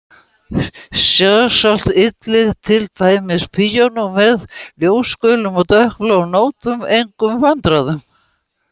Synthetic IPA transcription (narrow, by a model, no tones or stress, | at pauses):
sjasal̥t̪ɪt̪lɪðt̪ʰɪlt̪ʰaːjmɪspʰijɔnʏvɛðljoːwskœːlʏmɔɣt̪œhklanoːwt̪ʏmejŋkʏmvant̪ɾaðʏm